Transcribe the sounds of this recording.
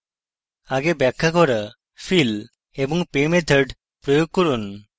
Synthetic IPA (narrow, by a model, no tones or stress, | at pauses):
aɡebɛkʰːakɔɾa | fʰil | ebɔŋpemet̪ʰəɾɖ | pɾɔjoɡ̚kɔɾun